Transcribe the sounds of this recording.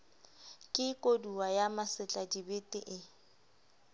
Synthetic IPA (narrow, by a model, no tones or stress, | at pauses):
kʼɪkʼoduwajamasɪt͡ɬʼadibetʼɪ̰ʔɪ